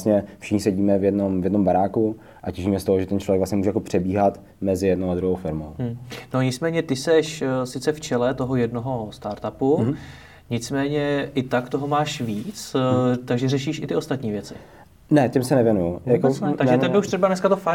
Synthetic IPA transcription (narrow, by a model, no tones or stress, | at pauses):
sɲɛfʃɪ̥xɲɪsɛɟiːmɛvjɛdnomvjɛdnombaɾaːku | ʔacɛʒiːmɛst̪oɦoʒɛt̪ɛnt͡ʃlovjɛɡvlasɲɛmuːʒɛjakopr̝̥ɛbiːɦat̪ | mɛzɪjɛdnowad̪ɾuɦowfɪɾmow̩no̞ɲɪt͡smɛːɲɛt̪ɪsɛʃsɪt͡sɛft͡ʃɛlɛt̪o̞ɦojɛdno̞ɦo̞st̪aɾt̪apu | ɲɪt͡smɛːɲɛʔɪt̪akt̪oɦomaːʃviːt͡st̪aɡʒɛrɛʃiːʃɪt̪ɪo̞st̪at̪ɲiːvjɛt͡sɪ̰ | nɛcɪmsɛnɛvjɛnujujakoɛt̪aɡʒɛɛɪuʃt̪rɛbanɛskat̪ofa